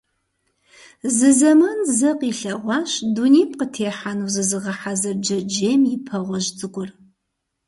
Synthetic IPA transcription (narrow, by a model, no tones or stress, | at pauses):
zɨzɐmɐnzɐqʼiːɬɐʁʷɑːɕduniːp̚ʰʼqətʰeːħanuːzɨzɨʁɐħazɐrd͡ʒɐd͡ʒeːmjɪpʰɐʁʷɔʒt͡sʼɨɡʷʼʊr